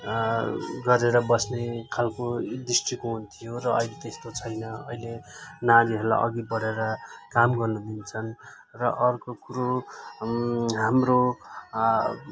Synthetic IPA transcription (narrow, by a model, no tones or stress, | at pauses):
ɡʌɾeɾʌbʌsnekʰalkod̪isʈrikoɦunt̪ʰijorʌʌjlet̪est̪ot͡sʰʌjnʌʌjlenaɾiɦʌɾla̰ʔʌ̰ɡipʌɽeɾʌkamɡʌrnud̪int͡sʰʌn | rʌʔʌrkokuɾo | ɦamro